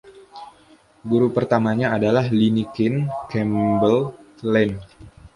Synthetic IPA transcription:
ɡuɾupərt̪amaɲaːdalahlinikɪnkɛmbəl | lɛn

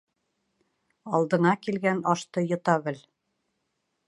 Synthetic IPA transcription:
ɑlˠd̪ɤ̆nɑkilɡænɒʃt̪ɤjŏt̪ɑβɘl

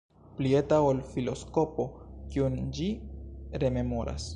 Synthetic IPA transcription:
plie̞taolfilo̞sko̞po̞kiund͡ʒiɾe̞me̞mo̞ɾa̰s

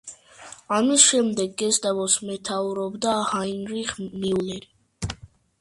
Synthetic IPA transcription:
amisʃɛmd̪ɛɡːɛsd̪avɔsmɛt̪ʰauɾɔbd̪ahainɾiχmiulɛɾi

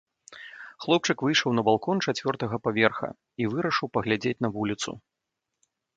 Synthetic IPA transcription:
xlˠɔp̚t͡ʂɨkvɨjʂɐwnɐbalˠkɔnt͡ʂat͡sʲvʲɔrt̪ɐɣɐpavʲɛrxɐ̰ | ivɨɾɐʂɨwpɐɣlʲad͡zʲet͡sʲn̪ɐvulʲit̪sṵ

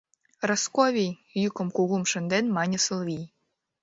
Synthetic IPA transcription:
roskoβʲijjukɤ̆mkuɣumʃə̆nd̪enmɑnʲə̆sɤ̆lˠβʲij

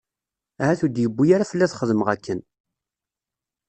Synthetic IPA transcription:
æhæθud̪jəbːujaɾafəlːæθχəðəməʁækːən

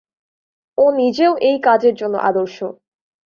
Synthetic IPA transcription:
onid͡ʑeoʔejkad͡ʑeɾd͡ʑonːo̰ʔa̰d̪oɾʃo

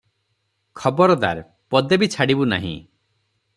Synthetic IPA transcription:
kʰɔbɔɾɔd̪a̰ɾ | pɔd̪ebit͡ʃʰaɽibuna̰ɦḭ̃

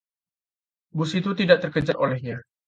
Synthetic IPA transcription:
busit̪ut̪idaʔt̪ərkət͡ʃarolɛhɲa

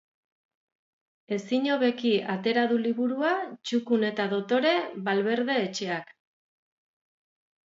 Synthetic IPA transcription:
e̞siɲo̞βe̞kiat̪e̞ɾaðuliβuɾuat͡ʃukune̞t̪aðo̞t̪o̞ɾe̞βalβe̞ɾðe̞ːt͡ʃe̞ak

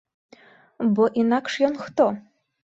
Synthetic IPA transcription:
bɔʔinakʂjɔnxt̪ɔ

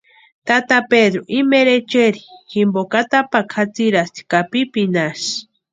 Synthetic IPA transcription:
t̪at̪aped̪ɾoʔimeɾet͡ʃeɾi̥ximbokat̪apakʰat͡siɾast̪i̥kapipinas

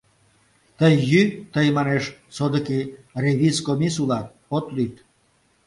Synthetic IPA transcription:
t̪əjːyt̪əjmɑneʃsod̪əkireβiskomisulɑt̪̚pot̪lyt̪

